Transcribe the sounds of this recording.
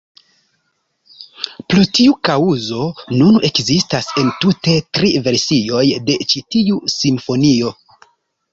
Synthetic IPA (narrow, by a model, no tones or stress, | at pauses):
plutiukauzo̞nunʔe̞kzistase̞ntute̞tɾive̞ɾsio̞jde̞t͡ʃitiusimfo̞nio̞